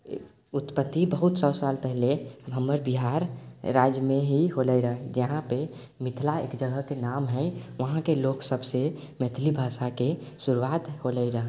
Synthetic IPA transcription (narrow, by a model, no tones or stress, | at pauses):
ʊt̪pət̪ːibəɦut̪sɔʊsaːlpɛɦlebʱəməɾbiɦaɾːaːd͡ʒjmẽɦiɦoləiɾəɦɛd͡ʒəɦãpe | mɪt̪ʰlaḛːkd͡ʒəɡəkenamɦɛ̃ʋəɦãkeloksəbse | mɛt̪ʰlibʱaːsakesuɾuaːt̪ɦoləɾəɦ